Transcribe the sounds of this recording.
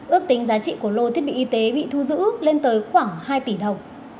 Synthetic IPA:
ʔɨ˦˥ək̚t̪ï˨˦ŋ̟zaː˨˦t͡ɕḭ˧˨ku˧˩əlo˧t̪ʰi˦˥əɓḭ˧˨ʔi˧t̪e˨˦ɓḭ˧˨t̪ʰu˧zɨ̰˧˥le˧nt̪əː˨˦jxwaː˧˩ŋhaː˧jt̪i˧˩ɗə˨˩wŋ͡m

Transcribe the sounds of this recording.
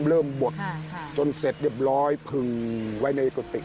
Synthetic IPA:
mɾɤː˥˩mbo˨˩t̪̚t͡ɕo˧nse˨˩t̪̚ɾi˥˩p̚ɾɔː˦˥jpʰɯ˨˩ŋwa˦˥jna˧jʔe˨˩ka˧˩t̪ḭ˨ʔ

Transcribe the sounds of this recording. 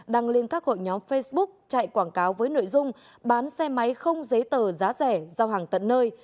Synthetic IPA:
ɗaː˧˩ŋli˧ənkaː˦˥k̚ho̰˧˨jɲɔ˨˦mfe˧jsɓʊ˦˥k̚t͡ɕa̰ː˧˨jkwaː˧˩nkaː˨˦wvəː˨˦jno̰˧˨jzʊ˧ŋ͡m | ɓaː˨˦nsɛ˧ma˨˦jxə˧wŋ͡mzə˨˦jt̪əː˨˩zaː˨˦zɛ˧˩zaː˧wɦaː˨˩ŋt̪ə̰˧˨nːəː˧j

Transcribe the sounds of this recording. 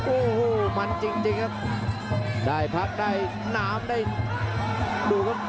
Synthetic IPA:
ʔo˧˩ho˧˩ma˨˧˩nt͡ɕi˧˩ŋt͡ɕi˧˩ŋə˧˩ | ɗaː˨˧˩jpʰaː˧˩k̚ɗaː˧˩j | naː˧˩˧mɗə˧j | ɗu˨˧˩kɔ˧˦

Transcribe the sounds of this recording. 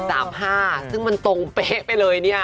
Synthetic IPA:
saː˩˦mɦaː˥˩sɯ˥˩ŋma˧nt̪o˧ŋpe˦˥pa˧jlɤː˧jni˥˩ɐ

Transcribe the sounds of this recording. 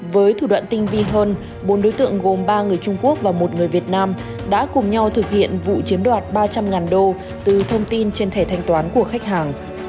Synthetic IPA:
vəː˨˦jt̪ʰu˧˩ɗwa̰˧˨nt̪ï˧ŋ̟vi˧ɦəː˧n | ɓo˨˦nɗo˨˦jt̪ɨ̰˧˨əŋɣo˨˩mɓaː˧ŋɨ˨˩əjt͡ɕʊ˧ŋ͡mku˦˥ək̚vaː˨˩mo˨˩t̚ŋɨ˨˩əjvi˨˩ət̚naː˧m | ɗa̰ː˧˥kʊ˨˩ŋ͡mɲa˧wt̪ʰɨ˨˩k̚hḭ˧˨ənvṵ˧˨t͡ɕi˨˦əmɗwaː˨˩t̚ɓaː˧t͡ɕa˧mŋaː˨˩nɗo˧ | t̪ɨ˨˩t̪ʰə˧wŋ͡mt̪i˧nt͡ɕe˧nt̪ʰe˧˩t̪ʰa˧jŋ̟t̪waː˨˦nku˧˩əxa˦˥jk̟̚ɦaː˨˩ŋ

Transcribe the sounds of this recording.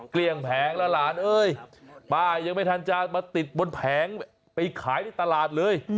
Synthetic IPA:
kli˧˩əŋpʰɛː˨˦ŋlɛː˧laː˨˩˦nʔɤː˧˥jbaː˧˩ja˧ŋma˥˩jt̪ʰa˧nt͡ɕaː˧maː˧t̪i˨˩t̪̚bo˧npʰɛː˩˦ŋ | pa˧jkʰaː˨˩˦jt̪ʰiː˧˩t̪a˧laː˨˩t̪̚lɤː˧j

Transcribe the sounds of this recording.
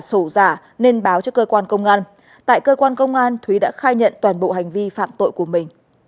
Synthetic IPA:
so˧˩zaː˧˩ | ne˧nɓaː˨˦wt͡ɕɔ˧kəː˧kwaː˧nkə˧wŋ͡mʔaː˧n | t̪a̰ː˧˨jkəː˧kwaː˧nkə˧wŋ͡mʔaː˧nt̪ʰwi˨˦ɗa̰ː˧˥xaː˧jɲə̰˧˨nt̪waː˨˩nɓo̰˧˨ɦa˨˩jŋ̟vi˧fa̰ː˧˨mt̪o̰˧˨jku˧˩əmï˨˩ŋ̟

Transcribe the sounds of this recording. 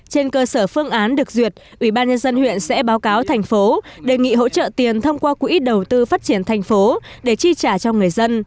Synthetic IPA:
t͡ɕe˧nkəː˧səː˧˩fɨ˧əŋʔaː˨˦nɗɨ˨˩ək̚zwi˨˩ət̚ʔwi˧˩ɓaː˧nɲə˧nzə˧nhwḭ˧˨ənsɛ̰˧˥ɓaː˨˦wkaː˨˦wt̪ʰjŋ̟fo˨˦ɗe˨˩jŋḭ˧˨ɦo̰˧˥t͡ɕə̰ː˧˨t̪i˨˩ənt̪ʰə˧wŋ͡mkwaː˧kṵ˧˥ʔi˦˥t̚ɗə˨˩wt̪ɨ˧faː˦˥t̚t͡ɕi˧˩ənt̪ʰɛ˨˩jŋ̟fo˨˦ | ɗe˧˩t͡ɕi˧t͡ɕaː˧˩t͡ɕɔ˧ŋɨ˨˩əjzə˧n

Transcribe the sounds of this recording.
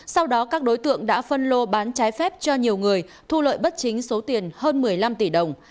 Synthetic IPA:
sa˧wɗɔ˨˦kaː˦˥k̚ɗo˨˦jt̪ɨ̰˧˨əŋɗa̰ː˧˥fə˧nlo˧ɓaː˨˦nt͡ɕaː˨˦jfɛ˦˥p̚t͡ɕɔ˧ɲi˨˩əwŋɨ˨˩əj | t̪ʰu˧lə̰ː˧˨jɓə˦˥t̚t͡ɕï˨˦ŋ̟so˨˦t̪i˨˩ənhəː˧nmɨ˨˩əjla˧mt̪i˧˩ɗə˨˩wŋ͡m

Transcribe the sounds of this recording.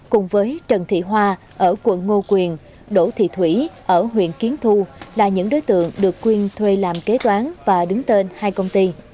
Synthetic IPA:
kʊ˨˩ŋ͡mvəː˨˦jt͡ɕə˨˩nt̪ʰḭ˧˨ɦwaː˧ | ʔəː˧˩kwə̰˧˨nːo˧kwi˨˩ən | ɗo̰˧˩t̪ʰḭ˧˨t̪ʰwḭ˧˥ʔəː˧˩ɦwḭ˧˨ənki˨˦ənt̪ʰu˧laː˨˩ɲɨ̰˧˥ŋɗo˨˦jt̪ɨ̰˧˨əŋɗɨ˨˩əkːwi˧ənt̪ʰwe˧laː˨˩mke˨˦t̪waː˨˦ŋvaː˨˩ɗɨ˨˦ŋt̪e˧nhaː˧jkə˧wŋ͡mt̪i˧

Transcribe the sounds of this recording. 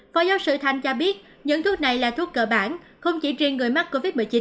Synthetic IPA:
faː˨˦jzaː˨˦wsɨ̰˧˨t̪ʰa˨˧˩jŋ̟t͡ɕɔ˧ɓi˦˥ət̚ | ɲɨ̰˧˥ŋt̪ʰu˦˥ət̚na˨˩jlaː˨˩t̪ʰu˦˥ək̚kəː˧˩ɓaː˧˩n | xə˧wŋ͡mt͡ɕi˧˩˦t͡ɕi˧ənŋɨ˨˩əjma˦˥k̚kːo˧vi˦˥t̚ɓḭ˧˨jt͡ɕi˨˦n

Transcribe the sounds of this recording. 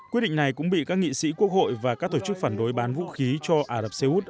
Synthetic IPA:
kwət̚ɗḭ˧˨ŋ̟na˨˩jkʊ̰˧˥ŋ͡mɓḭ˧˨kaː˦˥k̚ŋḭ˧˨sḭ˧˥ku˦˥ək̚ho̰˧˨jvaː˨˩kaː˦˥k̚t̪o˧˩t͡ɕɨ˦˥k̚faː˧˩nɗo˨˦jɓaː˨˦nvṵ˧˥xi˨˦t͡ɕɔ˧ʔaː˧˩ɾə˨˩p̚se˧ʔu˦˥t̚

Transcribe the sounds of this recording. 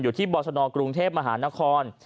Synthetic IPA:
juː˨˩t̪ʰiː˥˩bɔː˧sʰɔ˧nɔː˧kɾu˧ŋt̪ʰeː˥˩p̚ma˧ɦaː˩˦na˦˥kʰɔː˧n

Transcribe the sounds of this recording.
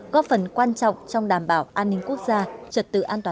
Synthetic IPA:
ɣɔ˨˦˥fə˨˩nkwaː˧nt͡ɕɔ̰˧˨wŋ͡mt͡ɕɔ˧wŋ͡mɗaː˨˩mɓaː˨˧˩wʔaː˧nːï˧ŋ̟ku˦˥ək̚zaː˧t͡ɕə˨˩t̚t̪ɨ̰˧˨ʔaː˧nt̪waː˨

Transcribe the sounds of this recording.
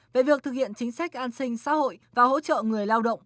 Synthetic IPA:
ve˨˩vi˨˩ək̚t̪ɨ˨k̚hḭ˧˨ənt͡ɕï˨˦ŋ̟sa˦˥k̚ʔaː˧nsï˧ŋ̟sa̰ː˧˥ho̰˧˨jvaː˨˩ɦo̰˧˥t͡ɕə̰ː˧˨ŋɨ˨˩əjlaː˧wɗə̰˧˨wŋ͡m

